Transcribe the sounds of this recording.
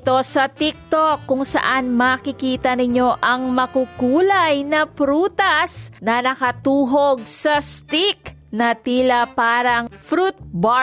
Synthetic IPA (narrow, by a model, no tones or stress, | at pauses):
t̪o̞sɐt̪ik̚t̪okːʊŋsɐ̰ʔanmaːkɪkiːt̪ɐnɪɲo̞ʔɐŋmɐkukuːlɐjnɐpɾuːt̪ɐsnɐnɐkɐt̪uːɦoɡ̚sɐst̪iknɐt̪iːlɐpaːɾɐŋfɾut̪̚ba